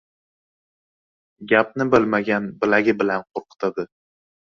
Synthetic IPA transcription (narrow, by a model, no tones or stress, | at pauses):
ɡʲap̚nɪbɪlmaɡʲanbɪlaɡʲɪbɪlanqʰoɾqɨ̥t̪ʰad̪ɪ